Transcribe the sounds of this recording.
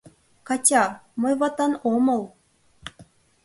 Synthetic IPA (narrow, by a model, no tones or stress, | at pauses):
kɑtʲɑmɤjβɑt̪ɑnomɤ̆l